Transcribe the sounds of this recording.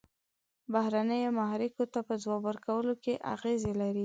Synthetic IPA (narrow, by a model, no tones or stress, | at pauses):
bahɾanəjomaɦɾɪkot̪apəd͡zwɑbwəɾkawəlokeʔa̰ɣezelaɾi